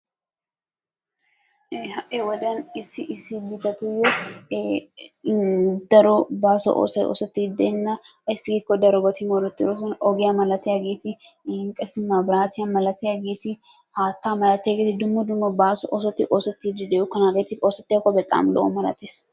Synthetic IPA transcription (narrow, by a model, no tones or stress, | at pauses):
hɐʔɛwɔd̪ɐnɪsːɪʔɪsːɪbɪd̪ɐt̪ʊjɔ | d̪ɐɾɔbaːsɔ̰ʔo̰ːsɐʔo̰ːsɔt̪ːɪd̪ɛnːɐjsːɪɡiːt̪ɪkːɔd̪ɐɾɔbɐt̪ɪmɔɾɔt̪ʼːɪɾɔs̬ɔnɔɡɪjamɐlɐt̪ːɪjaɡeːt̪ɪ | ɪŋkʼɐsɪmːaːbɪɾaːt̪ɪjamɐlɐt̪ɪjaɡeːt̪ɪ | haːt̪ːaːmɐlɐt̪ːɛɡeːt̪ɪd̪ʊmːɔd̪ʊmɔbaːsɔ̰ʔoːsɔt̪ːɪʔoːsɐt̪ːɪd̪ɪd̪ɛjʊkːɐnaːɡeːt̪ɪoːsɐt̪ːɪjakːɔbɛt̪ʼːa̰ːmlɔ̰ʔɔ̰mɐlɐ̰t̪eːs